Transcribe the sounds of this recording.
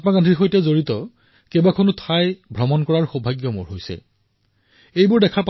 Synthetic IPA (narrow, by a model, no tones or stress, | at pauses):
t̚makandʰʱixojtɛzoɹitɔ | kɛbakʰonʊtʰajbʱɹɔmɔnkɔɹaɹxobʱaɡjɔmo̰ɹɦojsɛ̰ | ejbʊɹdɛkʰaɹp